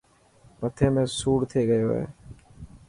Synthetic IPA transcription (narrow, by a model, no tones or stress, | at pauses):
pət̪ʰeːmẽːsuːɽt̪ʰeːɡəjoːɦḛː